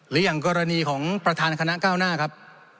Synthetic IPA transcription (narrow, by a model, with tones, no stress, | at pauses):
ɾɯː˩˦jaː˨˩ŋkɔː˧ɾa˧niː˧kʰɔː˩˦ŋpɾa˧t̪ʰaː˧nkʰa˧na˦˥kaː˥˩wnaː˥˩kʰa˦˥p̚